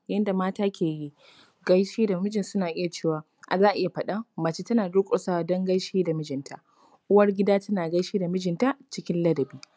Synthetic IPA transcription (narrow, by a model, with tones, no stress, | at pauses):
jɐ˦nda˨maː˦taː˦kʲʰeː˨ji˦ | ɡɐ˦jʃiː˦da˨mɪ˦d͡ʒɪ˨nsʊ˦naː˨ʔɪ˦ja˨t͡ʃeː˦˨waː˨ | ʔa˨zaː˦ʔa˨ʔɪ˦ja˨ɸɐ˦ɗa˦ma˨t͡ʃiː˦tɐ˦naː˨du˦kʷʼo˨sa˦˨dɔ˦ŋɡɐ˦ʃeː˦da˨mɪ˦d͡ʒɪ˨ntʰa˨ʔ | ʔʊ˦wɐ˦rɡʲɪ˦daː˦tɐ˦naː˨ɡɐ˦jʃiː˦da˨mɪ˦d͡ʒɪ˨nta˦ʔt͡ʃɪ˦kʲɪ˦nlɐ˦dɐ˨biː˦